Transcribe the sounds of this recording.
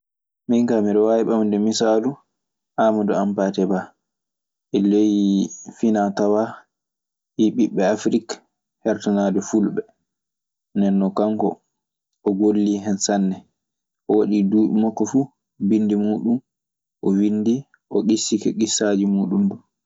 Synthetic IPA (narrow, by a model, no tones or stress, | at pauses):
miŋkamiɾɔwajiɓamndɛmisaːlu | ʔamadɔampaːtɛba | ʔɛlejifinatawa | hiɓiɓːɛafɾik | hɛɾtanadɛfulɓɛ | nɛnːɔkaŋkɔ̰ | ɔɡolːiɦɛnsanːɛ | ʔɔwaɗiduːɓimakːɔfu | bindimuːɗum | ʔɔwindi | ʔɔɡisːikɛɡisːad͡ʒimuːɗumdu